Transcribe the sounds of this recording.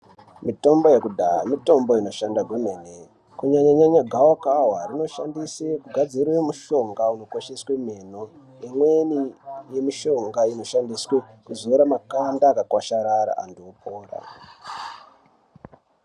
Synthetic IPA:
mito̞mbo̞je̞kudʱaamito̞mbo̞ino̞ʃandaɡʱumene | kuɲaɲaɲaɲaɡʱawokaɦwarino̞ʃandisekuɡʱad͡ziɾwemuʃo̞ŋɡauno̞ko̞ʃesweme̞no | imwenije̞miʃo̞ŋɡaino̞ʃandiswekuzoiɾamakandaːkakwaʃaɾaɾa̰ʔa̰nduopʰoːra̰

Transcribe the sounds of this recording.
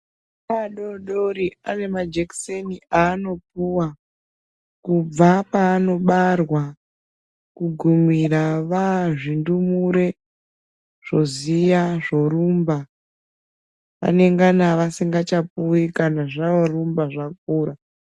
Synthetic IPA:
aɗoɗoɾiane̞mad͡ʒekseniaːno̞puwa | kub͡vapaːno̞ɓarwa | kuɡʱumiraʋaʐindumuɾe̞ | ʐ̥o̞zijaʐo̞ɾumba | ʋa̰ne̞ŋɡanaʋasiŋɡat͡ʃapuikanaʐaʋorumbaʐak̚uːra

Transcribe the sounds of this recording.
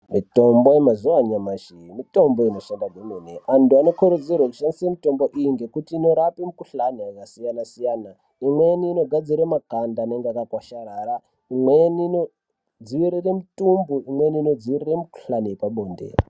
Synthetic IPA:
mitombojemazuwaɲamaʃimito̞mboinoʃaŋɡaɡʱemeneʔantuano̞koɾud͡zierwekuʃandisemito̞mboʔijiŋɡe̞kutiːno̞ɾapimikuɬaniakasijanasijaːna | imweniːno̞ɡʱad͡ziɾemakandaneŋɡakakwaʃaɾara | imwenino | d͡ziʋiɾeremitʼumbuimweniːnod͡ziʋireremiku̥ɬaniepaɓoːndḛ

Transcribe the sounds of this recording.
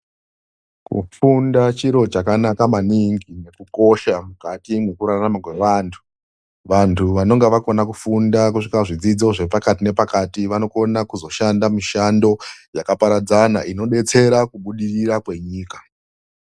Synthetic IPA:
kṵfundat͡ʃiɾo̞t͡ʃakanakamaniŋɡine̞kuko̞ʃamukatimwekuɾaramakwe̞ʋantʰu̥ | ʋantʰuʋano̞ŋɡeʋako̞nakufundak̬uʂikaʐid͡zid͡zo̞ʐe̞pakatine̞pakatiʋano̞ko̞nakuzo̞ʃandamiʃando̞jakapaɾad͡zanaʔino̞ɗe̞t͡se̞ɾakuɓuɗiriɾakwe̞ɲiːkḁ

